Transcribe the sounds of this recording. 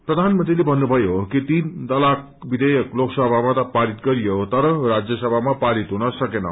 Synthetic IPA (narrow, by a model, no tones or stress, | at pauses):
pɾʌd̪ʱanmənt̪ɾilebʱʌnːubʱʌjokit̪ind̪ʌlak̚ | bid̪ejʌkloksʌbʱamat̪ʌpaɾit̪̚ɡʌɾijot̪ʌɾʌɾad͡zjʌsʌbʱamapaɾit̪ɦunʌsʌkenʌ̰